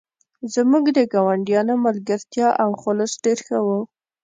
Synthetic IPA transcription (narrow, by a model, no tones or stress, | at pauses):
zmuɡd̪əɡɑwaɳɖijɑnomalɡaɾt̪jɑʔawxʊlʊsɖeɾxəwu